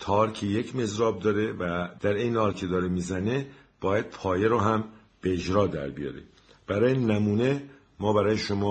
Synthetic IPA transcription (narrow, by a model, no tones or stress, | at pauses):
t̪ʰɒːɾcʰejecʰme̞zɾɒːb̚d̪ɒːɾe̞væd̪̥æɾe̞jnehɒːlcʰe̞d̪ɒːɾemizæne | b̥ɒːjæd̪̥̚pʰɒːjeɾoɦæm | b̥eːd͡ʒɾɒːd̪æ̰ɾbḭjɒ̰ːɾḛ | b̥æɾɒːjenæmuːne | mɒːbæɾɒːjeʃomɒː